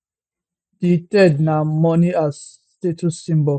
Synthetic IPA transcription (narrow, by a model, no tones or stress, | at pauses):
ditɛdnamɔnias | tetʰusĩmbɔ